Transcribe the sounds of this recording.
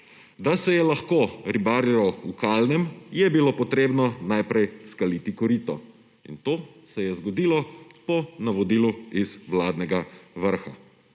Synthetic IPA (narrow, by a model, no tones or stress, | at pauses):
d̪asɛjɛlaxkoːɾibaːɾjalɔukaːlnɛmjɛbilopɔt̪ɾeːbnɔnajpɾɛjskaliːt̪ikɔɾit̪ɔ | ḭnt̪oːsɛjɛzɡɔd̪iːlɔpɔnaʋɔd̪iːluizwlaːd̪nɛɡaʋəɾxa